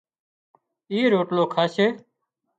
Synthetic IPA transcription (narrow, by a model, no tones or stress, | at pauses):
iːɾoːʈloːkʰaːseː